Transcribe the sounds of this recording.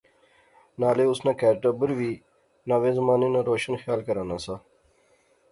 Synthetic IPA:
naːleːʊsnãːkɛːɾʈəbəɾʋiː | nãːʋeːzmaːniːnãːɾoːʃənxjaːlkəɾãːnãːsaː

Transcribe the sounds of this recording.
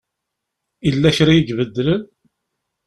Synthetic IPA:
ilːæçɾæjəɡvəd̪ːlən

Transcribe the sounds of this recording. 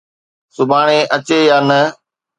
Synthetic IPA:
sʊbʱaːɽ̃ẽːʔət͡ʃeːjaːnə

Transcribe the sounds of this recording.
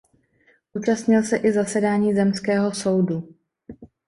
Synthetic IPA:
ʔuːt͡ʃast̪ɲɪlsɛʔɪzasɛdaːɲiːzɛmskɛːɦo̞so̞wdu

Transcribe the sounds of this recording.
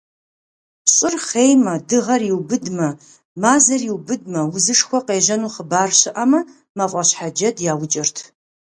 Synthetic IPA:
pɕʼɪrχeːjmɐdɨʁɐrjɪwbɨdmɐ | maːzɐrjiwbɨd̚mɐwʊzɨʂxʷɔqeːʒɐnuːχəbaːrɕɪʔɐmɐ | mafʷʼɐɕħad͡ʒɐdjaːwʊt͡ʃʼɐrtʰ

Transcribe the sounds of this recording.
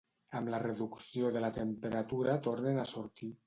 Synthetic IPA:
amlareðuksijoðelat̪empeɾat̪uɾat̪oɾnenasuɾt̪i

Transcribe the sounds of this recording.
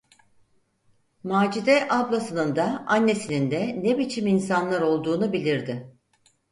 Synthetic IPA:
maːd͡ʒid̪ɛʔablˠasɯnɯnd̪aanːe̞sinind̪ɛnebit͡ʃʰiminsanlˠaɾo̞lˠd̪uːnubilʲiɾd̪ɪ

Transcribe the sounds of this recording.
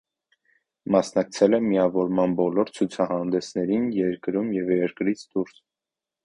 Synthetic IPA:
mɑsnɑk̚t͡sʰɛlɛmiɑvɔɾmɑnbɔlɔɾt͡sʰut͡sʰɑhɑnd̪ɛsnɛɾinjɛɾkɾumjɛvjɛɾkɾit͡sʰd̪uɾs

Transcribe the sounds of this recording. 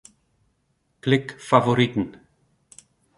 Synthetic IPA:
kʰlɪkfavɔɾit̪n̩

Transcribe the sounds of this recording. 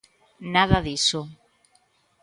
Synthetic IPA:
naðaðiso

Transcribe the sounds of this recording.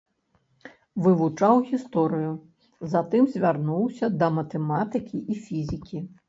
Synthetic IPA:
vɨvut͡ʂawɣʲist̪ɔɾɨju | zat̪ɨmzʲvʲarnuwsʲɐd̪ɐmɐt̪ɛmat̪ɨkʲiʔifʲizʲikʲi

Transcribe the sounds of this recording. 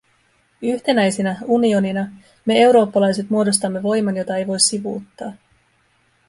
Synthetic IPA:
yçt̪e̞næjsinæunio̞ninɑ | me̞e̞wɾo̞ːpːɑlɑjse̞t̪muodo̞st̪ɑmːe̞ʋo̞jmɑnjo̞t̪ɑe̞jʋo̞jsːiʋṵːt̪ːɑː

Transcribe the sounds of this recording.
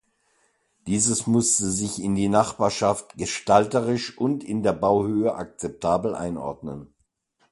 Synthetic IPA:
d̥iːzəsmʊstəzɪçɪndiːnaχb̥aːɐʃaftɡ̥əʃtaltəʁɪʃʔʊntɪndeːɐbaʊhøːəʔak̚t͡sɛp̚tʰaːbl̩ʔa̰ɪnʔɔ̰ɐdnən

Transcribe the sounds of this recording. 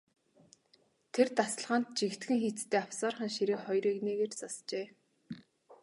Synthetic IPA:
t̪ʰert̪asə̆ɮʁaːnt̪̚t͡ɕikt̪ɡɘ̆ŋxit͡st̪ʰeːawsaːrχə̆nʃiɾeːχɔjɾiːkneːɣeːrt͡sast͡ɕeː

